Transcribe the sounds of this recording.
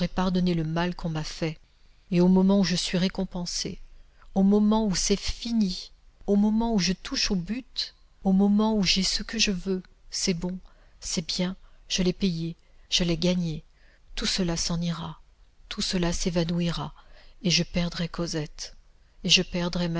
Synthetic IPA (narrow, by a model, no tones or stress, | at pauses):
ʁɛpaʁd̪ɔneləmalkʰɔ̃mafɛ | eomɔmɑ̃uʒəsɥiʁekɔ̃pɑ̃sḛ | omɔmɑ̃usɛfini | omɔmɑ̃uʒət̪ʰuʃobyt̪ | omɔmɑ̃uʒɛsəkəʒəvøsɛbɔ̃ | sɛbjɛ̃ʒ̥əlɛpeje | ʒ̥əlɛɡaɲe | t̪usəlasɑ̃niʁat̪ʰusəlasevanuiʁaeʒəpɛʁd̪ʁɛkʰɔzɛt̪ | eʒəpɛʁd̪ʁɛm